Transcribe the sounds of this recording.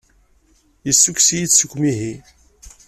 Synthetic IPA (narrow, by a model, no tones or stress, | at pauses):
jəsːukʷsijit͡sːsukːmiɦi